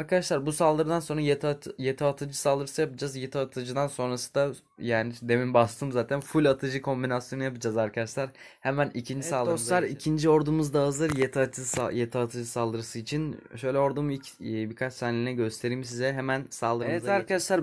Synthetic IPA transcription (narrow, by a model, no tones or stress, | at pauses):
aɾkad̪aʃlˠaɾbusalˠd̪ɯɾɯd̪anso̞nɾajet̪jet̪ʰaːt̪ʰɯd͡ʒɯsalˠd̪ɯɾɯsɯjapɯd͡ʒazjet̪ʰaːt̪ʰɯd͡ʒɯd̪anso̞nɾasɯ̥d̪a | jaːnid̪e̞mimbast̪ʰɯmzaːt̪ʰænfulʲat̪ʰɯd͡ʒɯkʰo̞mbinasjo̞nɯjapɯd͡ʒazaɾkʰad̪aʃlˠaɾ | hemænicʰind͡ʒiisalˠd̪ossˠaɾicʰind͡ʒio̞ɾd̪umuzd̪aːzɯɾjet̪ʰiat̪ʰɯajet̪ʰiaːt̪ʰɯd͡ʒɯsalˠd̪ɯɾɯsɯit͡ʃʰinʃø̞jlʲɛo̞ɾd̪umilʲcːbikʰat͡ʃt̪ʰanlʲinɛɟø̞st̪ʰe̞ɾiːms̬izɛɦemænsalˠd̪ɯɾɛzd̪aɾkad̪aʃlˠaɾ